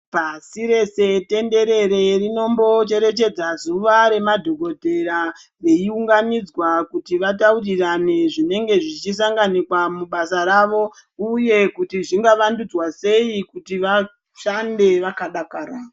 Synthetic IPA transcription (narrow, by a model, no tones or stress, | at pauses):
pasiɾe̞se̞te̞nde̞ɾe̞ɾe̞rino̞mbo̞t͡ʃe̞ɾe̞t͡ʃe̞d͡zazuʋaɾe̞madʱo̞ɡʱo̞dʱe̞ɾa | ʋe̞iuŋɡanid͡zwakutiʋataurirane̞ʐine̞ŋɡe̞ʐit͡ʃis̬aŋɡanikwamuɓasaɾaʋo̞ | uje̞kutiʐiŋɡaʋandud͡zwase̞ikutiʋa | ʃande̞ʋakaɗakaːraːa